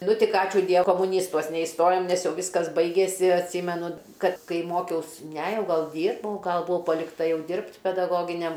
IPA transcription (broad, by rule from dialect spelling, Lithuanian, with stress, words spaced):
ˈnʊ ˈtʲɪk ˈɑːt͡ʃʲuː ˈdʲiɛ koːmʊˈnʲiːstuɔs nʲɛɪsˈtoːjoːm nʲɛs ˈjɛʊ ˈʋʲiːskɐs ˈbɐɪɡʲeːsʲɪ ɐtʲˈsʲiːmʲɛnʊ ˈkɐt ˈkɐɪ ˈmoːkʲɛʊs nʲɛ ˈjɛʊ ˈɡɐlˠ ˈdʲiːrbɐʊ ˈɡɐlˠ bʊˈʋɐʊ pɐlʲɪkˈtɐ ˈjɛʊ ˈdʲɪrpt pʲɛdɐˈɡoːɡʲɪnʲɛm